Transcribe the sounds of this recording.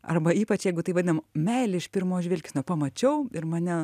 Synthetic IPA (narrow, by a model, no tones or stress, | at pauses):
ɐ̰rbɐiːpɐt͡ʃjɛɪɡʊt̪ɐɪʋɐd̪ʲɪnɐmmʲɛɪlʲɪɪʃpʲɪrmoːʒʲʋʲɪlʲkʲɪːsnʲopɐmɐt͡ʃʲɛʊɪrmɐnʲɛ